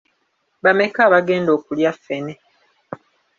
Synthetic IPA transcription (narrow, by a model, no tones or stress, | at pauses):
bame̞kaːβaɡe̞ːndoːkuljafːe̞ne